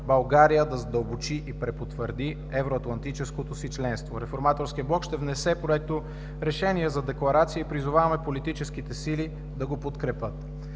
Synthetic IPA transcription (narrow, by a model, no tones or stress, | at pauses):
bɐlˠɡaɾijəd̪ɐzd̪əlˠbot͡ʃiʔipɾɛpot̪vəɾd̪i | ɛvɾoɐt̪lˠɐnt̪it͡ʃɛskot̪osit͡ʃlɛnst̪voɾɛfoɾmat̪oɾsk̟iəblˠɔkʃt̪ɛvnɛsɛpoɛt̪o | ɾɛʃɛniɛzɐd̪ɛklˠɐɾat̪sijəipɾizʊvavɐmɛpolit̪it͡ʃɛsk̟it̪ɛsili | d̪ɐɡopot̪kɾɛpɤt̪